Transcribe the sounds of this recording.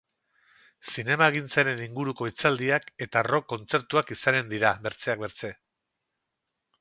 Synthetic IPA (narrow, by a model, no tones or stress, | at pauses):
sine̞maeɣ̞int͡saɾe̞niŋɡuɾuko̞it͡sald̪iake̞t̪aro̞ko̞nt͡se̞ɾt̪uakisane̞nd̪iɾabe̞ɾt͡se̞ak̚be̞ɾt͡se̞